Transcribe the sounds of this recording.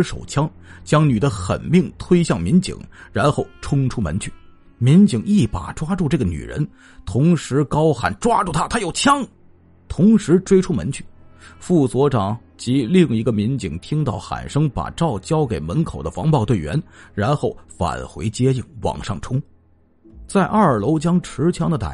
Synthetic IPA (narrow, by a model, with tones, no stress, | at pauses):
ʂo̰˨˩ʊt͡ɕʰjɑ˥ŋt͡ɕjɑ˥ŋny˨˩d̪ə˦xə̰˨˩nmi˥˩ŋt̪ʰwe˥ɪɕjɑ˥˩ŋmi˧˥nt͡ɕḭ˨˩˦ŋɻa˧˥nxo˥˩ʊʈ͡ʂʰʊ˥ŋʈ͡ʂʰu˥mə̰˧˥nt͡ɕʰy˥˩ | mi˧˥nt͡ɕi˨˩ŋi˥˩pa̰˨˩ʈ͡ʂwa˥ʈ͡ʂu˥˧ʈ͡ʂɤ˥˩ɡə˩ny̰˨˩ɻə̰˧˥n | t̪ʰʊ˧˥ŋʂɻ̩˧˥kɑ˥ʊxa̰˨˩nʈ͡ʂwa˥ʈ͡ʂu˥˩t̪ʰa˥t̪ʰa˥jo˨˩ʊt͡ɕʰjɑ˥ŋ | t̪ʰʊ˧˥ŋʂɻ̩˧˥ʈ͡ʂwe˥ɪʈ͡ʂʰu˥mə̰˧˥nt͡ɕʰy̥˥˩fu˥˩swɔ˧˥ʈ͡ʂɑ˨˩ŋ | t͡ɕi˧˥li˥˩ŋi˧˥ɡə˧mi˧˥nt͡ɕi˨˩ŋt̪ʰi˥ŋt̪ɑ˥˩ʊxa̰˨˩nʂɤ˥ŋpa̰˨˩ʈ͡ʂɑ˥˩ʊt͡ɕjɑ˥ʊke˨˩ɪmə˧˥nkʰo˨˩ʊd̪ə˦fɑ̰˧˥ŋpɑ˥˧ʊt̪we˥˩ɪɥɛ̰˧˥nɻa˧˥nxo˥˩ʊfa̰˨˩nxwḛ˧˥ɪt͡ɕjɛ˥i˥˩ŋwɑ̰˨˩ŋʂɑ˥˩ŋʈ͡ʂʰʊ˥ŋ | t͡sa˥˧ɪʔɐ˞˥˩ə˞˨˩lo˧˥ʊt͡ɕjɑ˥ŋʈ͡ʂʰɻ̩˧˥t͡ɕʰjɑ˥ŋd̪ə˨t̪a̰˨˩